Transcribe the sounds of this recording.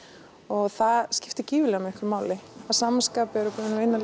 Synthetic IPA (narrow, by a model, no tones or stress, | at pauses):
ɔɣθaðscɪft̪ɪciːvɪlɛːɣamɪhŋkʰvɪɾmaːwlɪasaːmanskaːpɪɛɾʏpuːðɪnejnal